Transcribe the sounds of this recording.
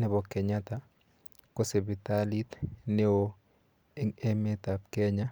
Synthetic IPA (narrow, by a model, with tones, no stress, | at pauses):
nɛ˨bɔ˨kɛ˨ɲa˦t̪a˦ | ko˦se˨bi˨t̪a˦li˦t̪ne˦o˦ | e˦ŋe˦me˦t̪a˨p̚kɛ˦ɲa˦